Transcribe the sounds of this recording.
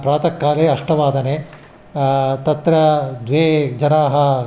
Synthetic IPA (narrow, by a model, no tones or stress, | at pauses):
pɾaːt̪ɐkːaːleːɐʂʈɐʋaːd̪ɐneː | t̪ɐt̪ɾɐd̪ʋeːd͡ʒɐnaːɦɐ